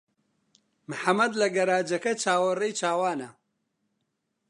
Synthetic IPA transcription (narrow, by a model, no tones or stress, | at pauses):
mɨħamɐd̪lɐɡɐɾaːd͡ʒɐkɐt͡ʃʰaːwɐrejt͡ʃʰaːwaːnɐ